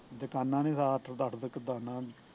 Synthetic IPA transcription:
d̪əkaːnːãːnĩːsaːʈʰəɾd̪aʈʰd̪əkːəd̪aːnaː

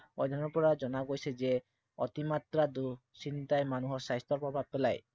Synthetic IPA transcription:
ɔ̰jd̪ʱanɔpɔɾad͡ʒɔnaɡojsed͡ʒe | ɔ̰t̪imat̪ɾad̪usint̪ajmanuɦɔɾsajst̪ɔɾpɾɔbʱab̚pɛlaj

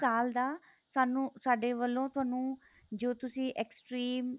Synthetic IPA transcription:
kaːld̪aː | saːnũːsaːɖeːʋəlːõːt̪ʊɦaːnũː | d͡ʒoːt̪ʊsĩːʔɛːksʈɾiːm

